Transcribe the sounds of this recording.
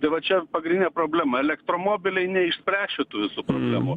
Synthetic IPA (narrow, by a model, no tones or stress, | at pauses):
t̪ɐɪʋɐt͡ʃʲɛpɐɡɾʲɪnʲɪnʲɛpɾoːbʲlʲæːmɐɛlʲɛkt̪ɾoːmoːbʲɪlʲɛɪnʲɛɪʃʲsʲpʲɾʲæːʃʲet̪uːʋʲɪsuːpɾo̰ːbʲlʲæ̰ːmuː